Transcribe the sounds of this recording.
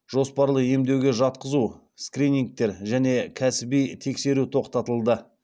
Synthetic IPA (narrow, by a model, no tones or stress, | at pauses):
ʒo̞spɑɾlˠəe̞md̪e̞wɡʲe̞ʒɑt̪qəzu | skrinʲiŋk̚t̪e̞ɾʒæne̞kʲʰæsɪbijt̪ʰe̞kse̞ɾut̪ʰo̞qt̪ɑt̪əlˠd̪ə